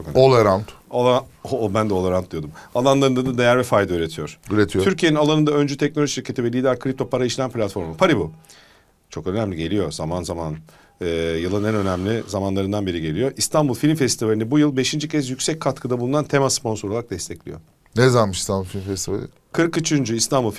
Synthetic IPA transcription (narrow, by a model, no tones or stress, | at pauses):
t͡ʃokønolˠaɾant̪olˠabænd̪ɛo̞lˠaɾant̪̚d̪ijo̞d̪umalˠanlˠaɾɯnd̪ad̪ad̪e̞jæɾvɛfajd̪ayɾe̞t̪ʰijo̞ɾ̥yɾet̪ʰijoyɾcijeinalˠanɯnd̪aønd͡ʒyt̪ʰɛc̚nolʲoʒiʃiɾcʰe̞t̪ivɛlʲiːd̪æɾkʰɾip̚t̪ʰo̞pʰaɾaiʃlʲæmpʰlʲat̪fo̞ɾmupʰaɾibu | t͡ʃʰo̞kønæmlʲiɟe̞lʲijo̞zamanzamanː | jɯlˠɯnænø̞næmlʲizamanlˠaɾɯnd̪anbeɾiɟelʲijo̞ʔist̪ʰanbulˠfilʲmfɛst̪ivalʲinɛbujɯlˠbeʃind͡ʒicʰɛsjycʲsɛc̚kʰːat̪kʰɯd̪abulˠunant̪ʰemaspo̞nsooaɾak̚d̪ɛst̪ʰɛclʲḭjo̞̰ | nɛzaɾmɯʃist̪anbulˠfilʲmfɛst̪iva̰lʲ | kʰɯɾkit͡ʃʰynd͡ʒyist̪ʰanbulˠf